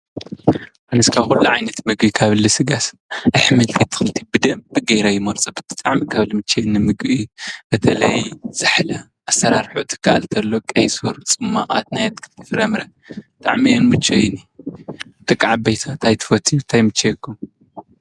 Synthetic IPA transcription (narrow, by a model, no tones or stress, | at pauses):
ʔanɨskʰaβxulːuʕajnɐt̪mɨɡʔikʰaβlɨsɨɡas | ʔɨħmɨlt̪ʰit̪ʰɨ̥xɨlt̪ʰibɨd̪ɐmbɨɡɐjɾɐjɪmɐɾt͡sʼɐbɨt̪ʰɨ̥t̪ʼaʕmikʰaβlɨmɨt͡ʃːenːɨmɨɡʔibɐt̪ʰɐlɐjz̥ɨħlɐ | ʔasːɐɾaɾħut̪ʰɨ̥kʰːaʔa̰lt̪ʰɐlːokʼɐjsoɾt͡sʼɨmːaʔʼa̰t̪̚najat̪kʰɨ̥lt̪ʰifɨɾɐmɾɐ | bɨt̪ʼa̰ʕmionmɨt͡ʃʰːejni | t̪ʼɨkʼːaʕabejt̪ʰat̪ʰajt̪ʰɨ̥fɐt̪ʰit̪ʰajmɨt͡ʃːejkʰːum